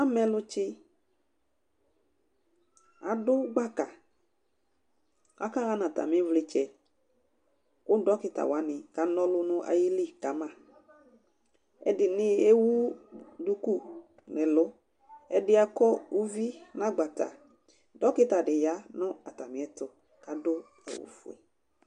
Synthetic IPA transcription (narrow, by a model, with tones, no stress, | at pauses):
a˦mɛ˨lʊ˧t͡ʃɪ˦ | a˨dʊ˦ɡ͡ba˦ka˨ | a̰˨ka˦ɣa˦nã˨ta̰˨mɪ̃˨˦vlɪ˨˧t͡ʃɛ˨ | ʊ˦dɔ˨˦kɪ˦ta̰˨wa˨˦nɪ˨ka˨nɔ˦lʊ˦nʊ˦ʔa̰˨ji˦li˦ka˨˦mã˦˨ | ɛ̰˨dɪ˨nɪ˦e˦wu˦du˧ku˦˨ | nɛ˨lʊ˦ | ɛ˦dɪ˦a˦kɔ˦u˦vi˦na˦ɡ͡ba˨ta̰˨ | dɔ˦kɪ˦ta˨dɪ˨ja˦nɔ̃˦a˨ta˨mɪ˨˦ɛ˨˦tʊ˨ | ka˨dʊ˦ | ɛ̰˨wʊ̰˨fʊ̰˨ɛ̰˨